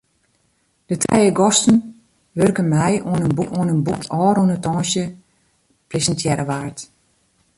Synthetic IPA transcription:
d̥ətʰɛ̰jəɡɔstən | ʋørkənmɛjoənənbuuənənbuktʰɔːɾuənətɔ̃ːsjə | presəntʰjɛɾəʋaːrt

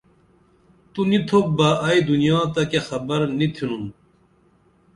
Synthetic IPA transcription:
t̪unit̪ʰobaɐid̪unjaːt̪ɐkexɐbɐɾnit̪ʰinun

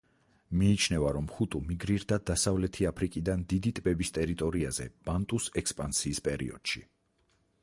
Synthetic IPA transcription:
miːt͡ʃʰnɛvaɾɔmχut̪ʼumiɡɾiɾd̪ad̪asavlɛt̪ʰiapʰɾikʼid̪and̪id̪it̪ʼbɛbist̪ʼɛɾit̪ʼɔɾiazɛ̰b̥ant̪ʼusɛkspʼansiːspʼɛɾḭɔ̰d̪̥ʃi

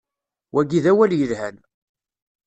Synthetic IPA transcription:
wʔæɡiðæwæljəðhæn

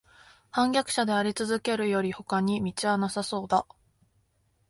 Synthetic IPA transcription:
hãŋɡʲakɯ̟̥ɕad̪eaɾʲit͡sɨzɨke̞ɾɯ̟jo̞ɾʲiho̞kaɲ̟imʲit͡ɕiβanasaso̞ːd̪a

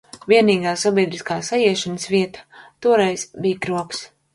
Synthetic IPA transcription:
viɛniːɡaːsabʲiɛd̪ɾiskaːsajiɛʃansviɛt̪ḁt̪uɔɾɛjz̥bijkɾuɔks

